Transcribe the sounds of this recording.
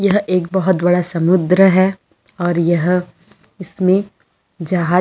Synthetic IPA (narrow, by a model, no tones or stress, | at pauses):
jɐɦeːk̚bɐɦʊt̪bɐɽasɐmʊd̪ɾəɦɛː | ɔːɾjɐɦ | ɪsmẽ | d͡ʒɐɦaː